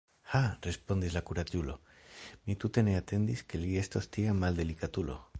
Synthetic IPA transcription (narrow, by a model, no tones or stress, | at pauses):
harespond̪izlakuɾaɟulo̰ | mit̪ut̪eneat̪e̞nd̪iskeliest̪ost̪iamald̪elikat̪ulo̰